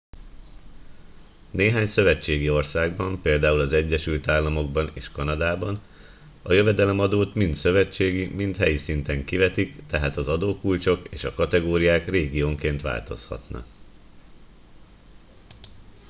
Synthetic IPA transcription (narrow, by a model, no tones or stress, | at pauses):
neːɦaːɲsø̞vɛt͡ʃːeːɡio̞rsaːɡbɒmpeːld̪aːulɒzɛɟːɛʃylt̪aːlːɒmo̞ɡ̚bɒnḛːʃkɒnɒd̪aːbɒn | ɒjø̞vɛd̪ɛlɛmɒd̪oːt̪mint̪sø̞vɛt͡ʃːeːɡimint̪hɛjisint̪ɛŋkivɛt̪ikt̪ɛɦaːt̪ɒzɒd̪oːkult͡ʃo̞keːʃɒkɒt̪ɛɡoːɾijaːkreːɡijoːŋkeːnt̪ʋa̰ːlt̪o̞̰shɒ̰t̪nɒ̰